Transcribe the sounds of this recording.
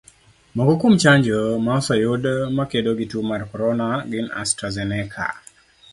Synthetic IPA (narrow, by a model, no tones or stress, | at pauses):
mɔɡɔkumt͡ʃaɲd͡ʒomasajodmakedoɡitumarkɔɾɔnaɡɪna̰stɾazɛnɛkʰa̰